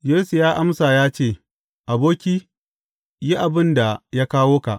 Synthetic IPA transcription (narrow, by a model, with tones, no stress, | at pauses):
jeː˦su˨jaː˦ʔa˦msa˨jaː˦t͡ʃeː˦˨ | ʔa˨boː˦kʲiː˦ | ji˦ʔa˨bɪ˦nda˨ja˦kaː˦woː˦ka̰˨ʔ